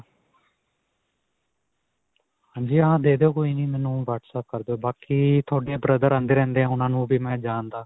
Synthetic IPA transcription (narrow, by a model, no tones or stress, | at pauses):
hãːɲd͡ʒiːəɦãːd̪eːd̪eːoːkoːiːniːmɛːnũːʋaːʈsəp̚kəɾd̪eoːbaːkiːt̪ʰoːɖeːbɾəd̪əɾãːnd̪eːɾɛ̃ːnd̪eːãːʊnãːnũːbʱiːmɛ̃ːd͡ʒaːnd̪aː